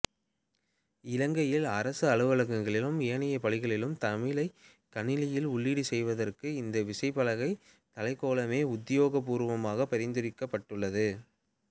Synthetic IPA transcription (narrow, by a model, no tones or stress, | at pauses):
ɪlɐŋɡɐjɪlɐɾɐsɯɐɻɯʋɐɭɐŋɐŋɡɐɭɪlɯmɪjɐnɐjɐpɐɻɪɣɐɭɪlɯmt̪ɐmɪlɐɪ | kɐnɪlɪjɪlʊɭːiːɽisɛjʋɐðɐrkɯɪnd̪ɐʋɪsɐɪpɐlɐɣɐɪ | t̪ɐlɐɪkːoːɭɐmeːʊd̪ɪjoːɣɐpuːɾʋɐmaːɣɐpɐɾɪnd̪ɪɾɪkːɐpːɐʈːɯɭːɐðɯ